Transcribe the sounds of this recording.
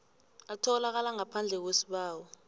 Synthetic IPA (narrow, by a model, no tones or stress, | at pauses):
atʰɔlak̬alaŋapʰand͡ɮʱɛk̬wesi̥ɓaːwɔ